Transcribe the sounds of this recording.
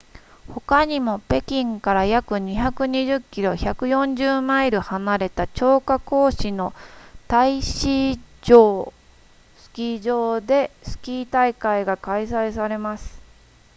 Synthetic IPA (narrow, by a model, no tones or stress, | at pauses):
ho̞kaɲ̟imo̞pe̞kʲĩŋkaɾajakɯ̟ɲ̟içakɯ̟ɲiʑɨkʲːiɾo̞çakɯ̟jõ̞ɲ̟d͡ʑɨːmaiɾɯ̟hanaɾe̞t̪at͡ɕo̞ːkako̞ːɕino̞t̪aiɕid͡ʑoː | sɨ̥kʲiːd͡ʑo̞ːd̪e̞sɨ̥kʲiːt̪aikaiɡakaisaisaɾe̞masɨ̥